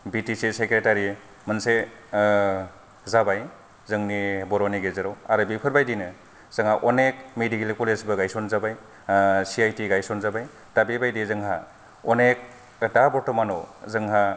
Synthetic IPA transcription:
bitisesekɾetaɾi | mənse | zabaj | zɯŋnibɔɾɔniɡezɯɾɔwaɾɯbipʰɯɾbajdinɯ | z̥ɯŋaʔɔnek̚medikelikolesbɯɡajsɔnzabaj | siajtiɡajsɔnzabaj | tabibajdizɯŋɦa | ɔnek̚ | dabɔtɔmanɔzɯŋɦa

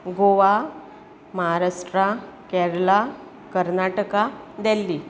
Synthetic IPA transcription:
ɡoʋa | məɦaɾaʂʈɾakɛɾla | kəɾnaʈəkad̪ɛlːi

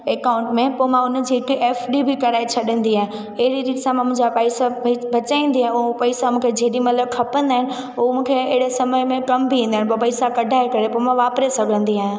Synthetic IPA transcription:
eːkaːʊ̃ɳʈmẽpoːmãʊnd͡ʑiɪkiʔeːfɗibʱikɐɾaːet͡ɕʰɐɗə̃nd̪iɦaːɦẽ | ɐɦɪɾiɾiːʈsamãmũɦɪ̃ɲd͡ʑapaːɪsabʱɐt͡ɕaːĩːnd̪iaːɦɪ̃ʊɦopɐɪsamũːkʰed͡ʑʱeːɗimɐt̪ləb̚kʰɐpə̃nd̪aːɪnɪ̆ | umũːkʰeɪɦɪɽesɐməjmẽkɐmbʱiʋĩːn̆d̪aːɪ̃p̬opɐɪsakɐɖʱaːekɐɾepoːmãʋaːpɾesɐɡʱə̃nd̪iaːɦɪ̃

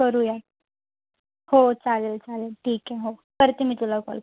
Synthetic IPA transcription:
kəɾuːjat̪ | hot͡salelt͡salelʈʰiːkɛɦokəɾt̪imiːt̪ulakɔ̰l

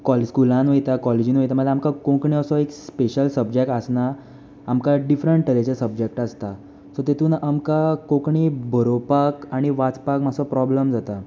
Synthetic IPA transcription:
kɔlskulãnʋəjt̪akɔled͡ʑiːnʋəjt̪am̤əamkakõkɳiəsɔekspeɕəlsəbd͡ʑek̚ʈasnaː | mkaɖifɾəɳʈːəɾet͡ɕasəbd͡ʑek̚ʈast̪a | sɔt̪et̪ʰuːnamkakõkɳibʱəɾopakaɽ̃iʋat͡spakmasɔpɾɔbləmd͡zat̪a

